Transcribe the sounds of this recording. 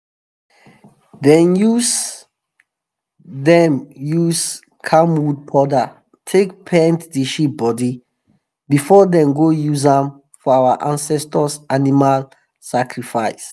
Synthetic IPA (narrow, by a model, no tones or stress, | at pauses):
dɛ̃njus | dɛ̃mjus | kʰamwud̚pʰɔda | tʰekpʰɛ̃ntdiʃip̚bɔdi | bifɔdɛ̃mɡojuzãm | fɔawaʔãnsɛstɔsanimal | sakɹifaɪs